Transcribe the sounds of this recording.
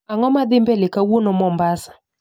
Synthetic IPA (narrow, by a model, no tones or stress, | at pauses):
aŋɔmad̪ɪmbelɪkawonɔmɔmbasḁ